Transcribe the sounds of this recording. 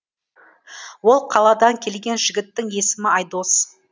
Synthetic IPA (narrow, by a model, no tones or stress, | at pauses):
wo̞lˠqʰɑlˠɑd̪ɑŋkʲʰe̞lɡʲe̞nʒɪɡʲɪt̪ːɪŋje̞sɪmɪɑjd̪o̞s